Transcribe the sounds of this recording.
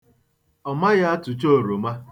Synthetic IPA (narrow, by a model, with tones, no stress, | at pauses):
ɔ˨ma˦ɣa˦a˦tʊ˨t͡ʃo˦˨ɾo˨ma˦